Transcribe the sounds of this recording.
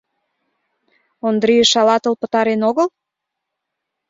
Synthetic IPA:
ond̪ɾijəʃɑlɑt̪əlpə̥̆t̪ɑɾenoɣəl

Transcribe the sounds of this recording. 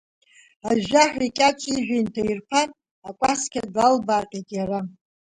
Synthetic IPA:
aʒʷᶣaħᶣʷikʲʼat͡ʃʷʼiʒᶣʷintʰairpʰan | akʷʼaskʲʰaɡalbaːqʲʼetʼjara

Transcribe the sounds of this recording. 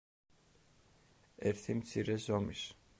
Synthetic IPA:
ɛɾt̪ʰimt̪sʰiɾɛzɔmis

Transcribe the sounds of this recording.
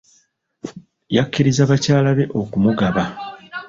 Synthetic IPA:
jakːiɾizaβacaːlaβe̞ʔo̞kumuɡaβa

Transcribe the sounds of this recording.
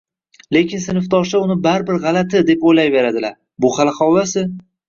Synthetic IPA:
le̞kʲɪnsɪnɪft̪ʰɒʃaʊnɪbaɾbɪɾʁɑlat̪ʰɪd̪e̞pojlajve̞ɾad̪ɪlaɾ | bʊχalɪχɒwlasɪ

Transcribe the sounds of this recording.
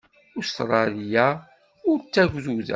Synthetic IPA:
ʊst̪ɾˤɑlija | ʊɾt͡sːæʝʷðuðæ̰

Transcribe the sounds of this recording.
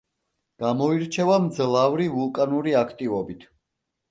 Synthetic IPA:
ɡ̥amɔiɾt͡ʃʰɛvamd̪zlˠavɾivulˠkʼanuɾiakʰt̪ʼivɔbit̪ʰ

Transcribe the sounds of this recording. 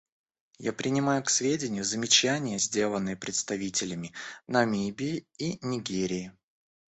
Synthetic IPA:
ja̰pɾʲɪnʲɪmajʊksvʲedʲɪnʲɪjʊzəmʲɪt͡ɕænʲɪjəzʲdʲe̞lˠənːɨjəpɾʲɪt̪st̪ɐvʲitʲɪlʲɪmʲɪnɐmʲibʲɪɪinʲɪɡʲeɾʲɪɪ

